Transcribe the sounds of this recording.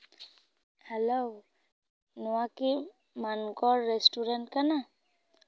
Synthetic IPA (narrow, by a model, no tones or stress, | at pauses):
hɛlow | nuaki | mankɔlːɛstuɾant̚kana